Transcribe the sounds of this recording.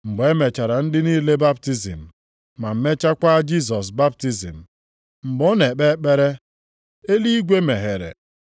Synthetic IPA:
ŋ͡m̩˨ɡ͡be˦me˨t͡ʃa˨ɾa˨n̩˦dɪ˦ni˦le˦ba˦pti˦zḭ˨m̩˨ | ma˨m̩˨me˦t͡ʃa˦kʷa˦d͡ʒi˦s̬ɔ˨s̬ba˦p̚ti˦zḭ˨m̩˨ | ŋ͡m̩˨ɡ͡bɔ˦ne˨k͡pe˦k͡pe˦ɾe˦ | e˦li˦i˦ɡʷe˦me˨ɦe˨ɾḛ˨

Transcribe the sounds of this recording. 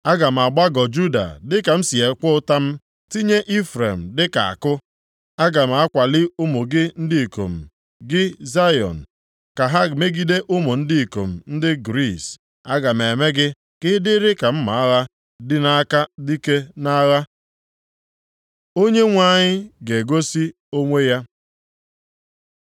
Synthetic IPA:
a˦ɡa˨m̩˨a˨ɡ͡ba˦ɡɔ˨d͡ʒu˦da̰˨dɪ˦ka˨m̩˦si˨e˨kʷʊ˦ta˦m̩˦ | ti˦ɲe˦ʔi˦fɾe˨m̩˨dɪ˦ka̰˨a̰˨kʊ˦ | a˦ɡa˨m̩˨a˦kʷa˨lɪ˦ʊ˦mo˨ɡɪ˦n̩˦dɪ˦i˨ko̰˨m̩˨ | ɡɪ˦za˦jɔ̰˨n̩˨ | ka˨ɦa˦me˦ɡi˦de˦ʔʊ˦mo˨n̩˦di˦i˨ko̰˨m̩˨n̩˦dɪ˦ɡɾi˦˨s | a˦ɡa˨m˨e˨me˦ɡɪ˦ | kɪ˦dɪ˦ɾɪ˦ka˨m̩˦ma˨a˦ɣa˦ | dɪ˦na˦ka˦di˦ke˦na˦ɣa˦ | o˦ɲe˦ŋʷa˦˨ɲɪ˦ɡe˨ɡo˦si˦ | o˦ŋʷe˦ja˦

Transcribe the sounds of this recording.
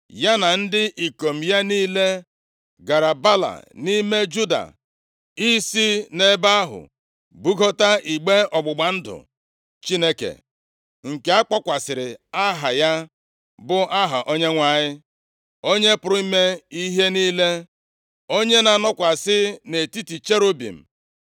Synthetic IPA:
ja˦na˨n̩˦dɪ˦ʔi˨ko˨m̩˨ja˦niː˦le˦ | ɡa˨ɾa˨ba˦la̰˨ni˦me˦d͡ʒu˦da̰˨ | i˦si˦ne˦ba˦ɦʊ̰˨ | bu˦ɡo˦ta˦i˨ɡ͡be˦ɔ˨ɡ͡bʊ˨ɡ͡ba˨n̩˦dʊ̰˨ | t͡ʃi˦ne˦kḛ˨ | ŋ̩˨ke˨˦a˦k͡pɔ˦kʷa˨sɪ˨ɾɪ˨a˦ɦa˨ja˦ | bʊ˦ʔa˦ɦa̰˨ʔo˦ɲe˦ŋʷa˨ɲɪ˦ | o˦ɲe˦pʊ˨ɾʊ˨˦i˦me˦i˦ɦe˦niː˦le˦ | o˦ɲe˦na˨nɔ˦kʷa˨sɪ˦ne˨ti˦ti˨t͡ʃe˦ɾo˦bḭ˨m̩˨

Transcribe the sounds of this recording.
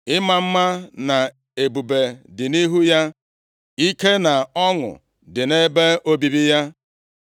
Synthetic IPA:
ɪ˦ma˨m̩˦ma˦na˨ | e˨bu˨be˨dɪ˨ni˦ɦu˦ja˦ | i˦ke˦na˨ɔ˦ŋʊ̰˨ | dɪ˨ne˦be˦ʔo˦bi˨bi˦ja˦

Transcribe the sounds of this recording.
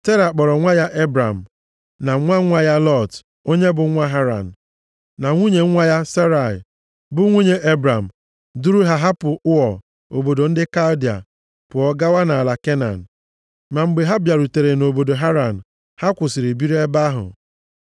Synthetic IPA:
te˦ɾa˨k͡pɔ˨ɾɔ˨ŋʷa˦ja˦ʔe˦bɾa˨m̩˨ | na˨˦ŋʷa˦ŋʷa˦ja˦lɔ˦˨t | o˦ɲe˦bʊ˨˦ŋʷa˦ɦa˦ɾa̰˨n̩˨ | na˨ŋʷu˦ɲe˨ŋ̩˦ŋʷa˦ja˦se˦ɾa˨ɪ̰˨ | bʊ˦ŋʷu˦ɲe˦ʔe˦bɾa˨m̩˨ | du˦ɾu˦ɦa˦ɦa˦pʊ˨ʊ˦ɔ˨ | o˨bo˨do˨n̩˦dɪ˦ka˦ldi˨a̰˨ | pʊ˨ɔ˦ɡa˦wa˦na˨a˨la˨ke˦na̰˨n̩˨ | ma˨ŋ͡m̩˨ɡ͡be˨ɦa˦bja˨ɾu˨te˨ɾe˨no˨bo˨do˨ɦa˦ɾa˨n̩˨ | ha˦kʷʊ˨sɪ˨ɾi˨bi˦ɾe˦ba˦ɦʊ̰˨

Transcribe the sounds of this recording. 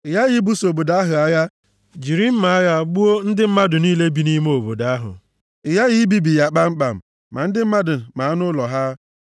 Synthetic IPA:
ɪ˨ja˦ji˨˦bu˦so˨bo˨da˦ɦʊ˨a˦ja˦ | d͡ʒi˨ɾi˦m̩˦ma˨a˦ja˦ɡ͡bu˦o˦n̩˦dɪ˦m̩˦ma˦dʊ˨niː˦le˦bi˦ni˦m˦o˨bo˨da˦ɦʊ̰˨ | ɪ˨ja˦ɣi˦bi˦bi˨ja˦k͡pa˦ŋ͡m̩˦k͡pa˨m̩˨ | ma˨n̩˦dɪ˦m̩˦ma˦dʊ˨ma˨a˦nʊ˦lɔ˨ɦa˦

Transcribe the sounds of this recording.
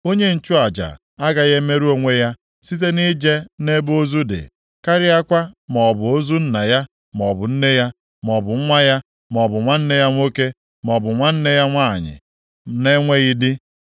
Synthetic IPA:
o˦ɲe˦n̩˨t͡ʃu˦a˨d͡ʒa̰˨ | a˦ɡa˨ɣe˦me˦ɾu˦o˨ŋʷe˦ja˦ | si˦t̬e˦ni˦d͡ʒe˦ne˦bo˦zu˦dɪ̰˨ | ka˦ɾɪ˦a˦kʷa˦m˨ɔ˨bʊ˨o˦zu˦n̩˦na˨ja˦ | m˨ɔ˨bʊ˨n̩˦ne˦ja˦ | m˨ɔ˨bʊ˨ŋ̩˦ŋʷa˦ja˦ | m˨ɔ˨bʊ˨ŋʷa˦n̩˦ne˦ja˦ŋʷo˦ke˦ | m˨ɔ˨bʊ˨ŋʷa˦n̩˦ne˦ja˦ŋʷa˦˨ɲɪ̰˨ | ne˦ŋʷe˦i˦dɪ˦

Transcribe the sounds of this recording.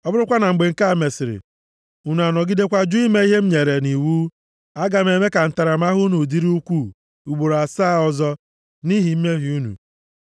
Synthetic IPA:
ɔ˦bʊ˦ɾʊ˦kʷa˦na˨ŋ͡m̩˨ɡ͡be˨ŋ̩˦˨ka˦˨me˨sɪ˨ɾɪ̰˨ | u˨nu˨a˨nɔ˨ɡi˦de˦kʷa˦d͡ʒu˦i˦me˦i˦ɦe˦m̩˦ɲe˨ɾe˨ni˨wuː˦ | a˦ɡa˨m˦e˨me˦ka˨n̩˨ta˨ɾa˨m˦a˦ɦu˦nu˨di˦ɾi˦u˦kʷu˦˨ | u˨ɡ͡bo˨ɾa˨saː˦˨ɔ˦zɔ˦ | ni˦ɦi˨m̩˦me˦ɦi˨u˦nṵ˨

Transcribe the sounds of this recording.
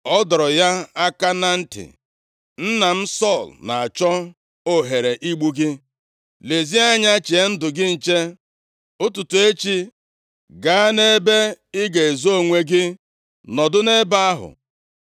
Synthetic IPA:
ɔ˦dɔ˨ɾɔ˨ja˦a˦ka˦na˦n̩˦tɪ̰˨ | n̩˦na˨m̩˦sɔ˦˨lna˨a˨t͡ʃɔ˦ | o˦ɦe˨ɾe˨ʔi˦ɡ͡bu˦ɡɪ˦ | le˨zi˦a˦ɲa˦t͡ʃi˨e˦n̩˦dʊ˨ɡɪ˦n̩˨t͡ʃe˦ | ʊ˦tu˨tu˨e˦t͡ʃi˦ | ɡa˨a˦ne˦be˦ɪ˦ɡe˨e˨zo˦˨ŋʷe˦ɡɪ˦ | nɔ˨dʊ˦ne˦ba˦a˦ɦʊ̰˨

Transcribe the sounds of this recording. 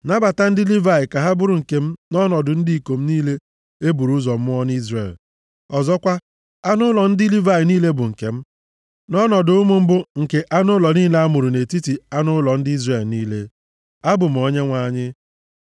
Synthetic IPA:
na˦ba˨ta˦n̩˦dɪ˦li˦va˦˨ɪ˨ka˨ɦa˦bʊ˦ɾʊ˨ŋ̩˨ke˨m̩˦nɔ˦nɔ˨dʊ˨n̩˦di˦i˨ko˨m̩˦niː˦le˦ | e˦bu˨ɾu˦zɔ˨m̩˦mʊ˦ɔ˦n˦i˦zrḛ˨l | ɔ˨zɔ˦kʷa˦ | a˦nʊ˦lɔ˨n̩˦dɪ˦li˦va˦ɪ˨niː˦le˦bʊ˨ŋ̩˨ke˨m̩˦ | nɔ˦nɔ˨dʊ˦ʊ˦mʊ˦m̩˦bʊ˦ŋ̩˨ke˨ʔa˦nʊ˦lɔ˨niː˦le˦a˦mʊ˨ɾʊ˨ne˨ti˦ti˨a˦nʊ˦lɔ˨n̩˦dɪ˦i˦zre˨lniː˦le˦ | a˦bʊ˨m̩˨o˨ɲe˦ŋʷa˨˦ɲɪ˦

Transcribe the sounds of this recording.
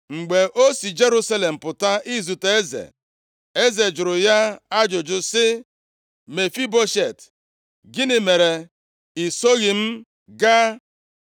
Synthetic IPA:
ŋ͡m̩˨ɡ͡be˨ʔo˦si˨d͡ʒe˦ɾu˦sa˦le˨m̩˨pʊ˨ta˦i˦zu˨te˦zḛ˨ | e˦ze˨d͡ʒʊ˨ɾʊ˨ja˦a˦d͡ʒʊ˨d͡ʒʊ˨sɪ˦ | me˨fi˦bo˦ʃe˨t | ɡɪ˦nɪ˨me˨ɾe˨ | i˨so˦ɣi˨m̩˦ | ɡa˦

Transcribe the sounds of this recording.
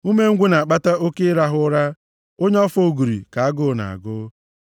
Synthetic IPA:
u˦me˦ŋ̩˦ɡʷe˦na˨a˨k͡pa˦ta˦o˦ke˦ɾa˦ɦʊ˦ɾa˦ | o˦ɲ˦ɔ˦fo˦˨ɡu˨ɾḭ˨ka˨a˦ɡʊ˦na̰˨a̰˨ɡʊ˦

